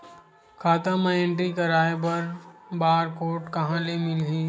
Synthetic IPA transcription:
kʰaːt̪amaɪ̃ɳʈɾikɐɾaːebɐɾbaːɾkoːʈkɐɦãlemɪlɡiː

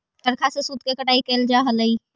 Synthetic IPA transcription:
ʈɐɾkʰasesuːd̪kekəʈaːikeːld͡ʒaːɦɐləiː

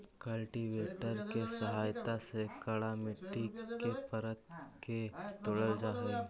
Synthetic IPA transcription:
kəlʈiʋeʈəɾkesəɦaːjt̪asekəɭamɪʈːikepəɾət̪ket̪oɽəld͡ʒaːɦe

